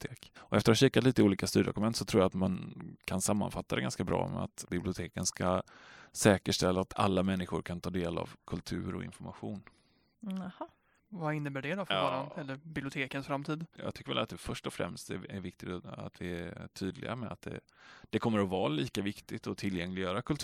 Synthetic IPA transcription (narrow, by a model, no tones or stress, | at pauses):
t̪ʰeːkɔʔɛft̪əɾahaɕiːkːat̪liːt̪əuːliːkast̪ʉɾjəd̪ɔ̰kɵmɛnt̪sɔt̪ʰɾuːjat̪mankʰansamːa̰nfat̪ːad̪ɛɡanskabɾɑ̰ːmɛ̰a̰t̪bɪblɪʊt̪ʰeːkənskasɛːkəʂʈɛlːaːt̪ʰa̰lːamɛnːɪɧʊɾkʰant̪ʰɑːd̪eːla̰vkʰɵlt̪ʰʉ̟̰ːɾɔ̰ɪ̰nfɔɾmaɧuːn | ha | vaɪnːəbæɖɛd̪ɔfɾɑːɾaɛlːəɾbɪblɪʊt̪ʰeːkənsfɾamt̪ʰiːd̪jɑ̰ːɡt̪ʏkːəvɛ̰lat̪̚d̪ɛfœʂʈɔfɾɛ̰mst̪ɛɛɾvɪk̚t̪ɪt̪a̰t̪vɪæʈʰyːd̪lɪ̰ɡa̰mɛat̪̚d̪ɛ̰ | d̪̥ɛkʰɔmːəɾɔvɑːliːkavɪkt̪ɪt̪ɔt̪ʰɪlːjɛŋlɪɡjœːɾakʰɵlt̪ʰ